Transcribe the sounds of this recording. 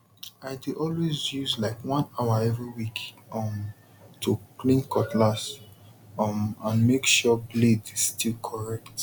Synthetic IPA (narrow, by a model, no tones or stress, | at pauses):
aɪdiʔɔlwezjuzlaɪkwãnaʊaɛvɹiwik | ɔm | tʰuklĩnkɔtʰlas | ʌmãnmekʃɔbledizstilkʰɔɹɛkt